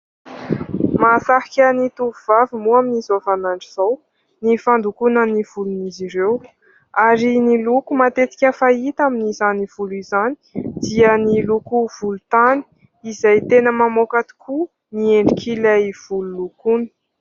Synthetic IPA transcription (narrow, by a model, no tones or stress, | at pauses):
masaɦikʲənit̪uvuvavimuaminizovanaɳɖ͡ʐiz̥aw | nifand̪ukunəniv̥uluniziɾew | aɾinilukumat̪et͡s̪i̥kʲəfait̪aminizaniv̥uluizani̥d̪̥iənilukuv̥ulut̪ani̥ | izajt̪enəmamokat̪i̥kʰu | nieɳɖ͡ʐikʰilaiv̥ululukunə̥